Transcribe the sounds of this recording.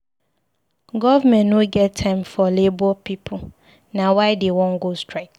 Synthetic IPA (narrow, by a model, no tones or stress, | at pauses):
ɡɔvamɛ̃nːõɡɛttʰãɪ̃mfɔlebɔpipʰu | nãwaɪdewɔ̃nɡostʰɹak